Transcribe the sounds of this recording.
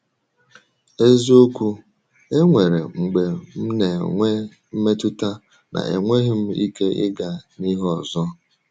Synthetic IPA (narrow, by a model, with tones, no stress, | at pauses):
e˦zi˦o˦kʷu˦ | e˦ŋʷe˨ɾe˨ŋ͡m̩˨ɡ͡be˨m̩˦ne˨ŋʷe˦ | m̩˦me˦tʊ˦ta˦ | nʔa̰˨ḛ˨ŋʷe˦ɦɪ˦m̩˦ḭ˦ke˦ʔɪ̰˦ɡa˨ni˦ɦɔ˨zɔ˦